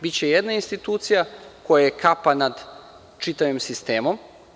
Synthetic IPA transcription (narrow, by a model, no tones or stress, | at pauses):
bit͡ɕe̞jed̪nainst̪it̪uːt̪sijako̞jajekʰapanad̪ | t͡ʃit̪aʋimsist̪eːmo̞m